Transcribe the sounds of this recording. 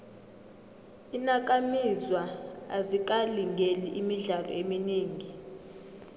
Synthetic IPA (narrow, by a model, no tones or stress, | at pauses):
inak̬ʼamizwaa̰zik̬ʼaliŋɡʱeliʔimiɮalɔ̰eminiːŋʱi